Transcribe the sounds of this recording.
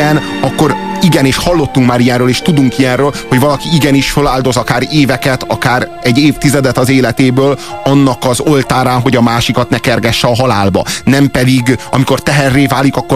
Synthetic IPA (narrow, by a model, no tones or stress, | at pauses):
ɛnɒkːo̞ɾiɡɛneːʃhɒlːo̞t̪ːuŋkmaːɾijɛnɾøːleːʃt̪ud̪uŋkijɛrøːlho̞ɟvɒlɒkiiɡɛniʃfølaːld̪o̞zɒkaːɾeːvɛkɛt̪ɒkaːɾɛɟːeːft̪izɛd̪ɛt̪ɒzeːlɛt̪eːbøːlɒnːɒkɒzo̞lt̪aːɾaːnɦo̞ɟɒmaːʃikɒt̪nɛkɛrɡɛʃːɛɒɦɒlaːlbɒ̰nɛmpɛd̪iɡɒmiko̞rt̪ɛɦɛrːeːvaːlikɒkːo